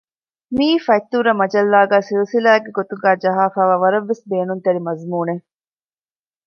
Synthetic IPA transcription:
miːfɐjt̪ːuɾɐmɐd͡ʒɐlːaːɡæːsilsilaːɡːeɡot̪uɡæːd͡ʒɐɦaːfaːʋaːʋɐɾɐʋːesbeːnunt̪ɐɾimɐzmuːne

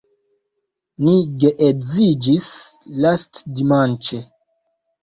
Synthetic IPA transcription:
niɡeʔezid͡ʒislastdimant͡ʃe

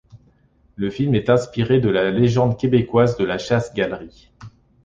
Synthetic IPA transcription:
ləfilmɛt̪ɛ̃spiʁed̪əlaleʒɑ̃d̪kʲebekwazd̪əlaʃasɡʲalʁi

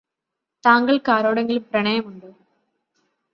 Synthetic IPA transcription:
t̪aːŋɡɐɭkaːɾoːɽeŋɡiluprɐɳɐjɐmuɳɖɨ

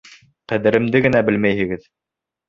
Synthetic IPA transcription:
qæðɘ̆ɾɘ̆md̪ɘɡɘ̆næbɘlmæjhɘ̆ɡɘð

